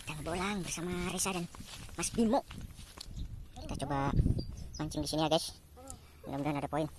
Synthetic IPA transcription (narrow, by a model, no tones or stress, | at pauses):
t̪aŋabolaŋbərsamaɾesadanmasbimoʔ | ki̥t̪at͡ʃɔba | maɲt͡ʃimdisiniaɡas | ndomdanadapoin